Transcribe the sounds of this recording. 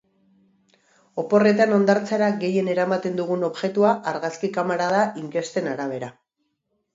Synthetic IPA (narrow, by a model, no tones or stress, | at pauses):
o̞po̞re̞t̪ano̞nd̪aɾt͡saɾaɡe̞je̞ne̞ɾamat̪e̞nd̪uɣ̞uno̞βʝe̞t̪uaʔaɾɣaskikamaɾað̞aʔiŋke̞st̪e̞naɾaβ̞e̞ɾa